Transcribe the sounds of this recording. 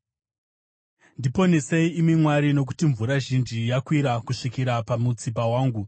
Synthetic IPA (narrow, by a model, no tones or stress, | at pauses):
ndipo̞neseiːmimwaɾino̞k̬u̥tiɱvuɾaʒind͡ʒijakwiɾakuʂikiɾapamut͡sipawaːŋɡu